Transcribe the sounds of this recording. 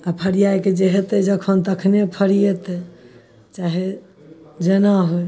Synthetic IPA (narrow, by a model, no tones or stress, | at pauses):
apʰəɾijajked͡ʒeɦet̪ɛd͡ʒəkʰənt̪əkʰnepʰəɾijet̪ɛ | t͡ʃaɦe | d͡ʒenaɦoj